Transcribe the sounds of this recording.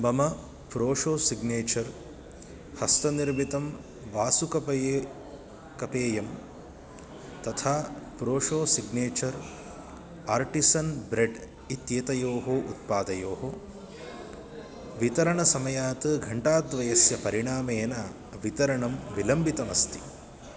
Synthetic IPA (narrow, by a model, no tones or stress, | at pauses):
bɐmɐ | pɾoːʂoːsiɡneːt͡ʃɐɾ | hɐst̪ɐniɾbʱit̪ɐm | ʋaːsukɐpɐje | kɐpeːjɐm | t̪ɐt̪ʰaːpɾoːʂoːsiɡneːt͡ʃɐɾ | aːɾʈisɐnbɾeɖ | it̪jet̪ɐjoːɦoːʔut̪̚paːd̪ɐjoːɦo | ʋit̪ɐɾɐɳɐsɐmɐjaːt̪ɨɡʱɐɳʈaːd̪ʋɐjɐsjɐpɐɾiɳaːmeːnɐ | ʋit̪ɐɾɐɳɐmʋilɐmbʱit̪ɐmɐst̪i̥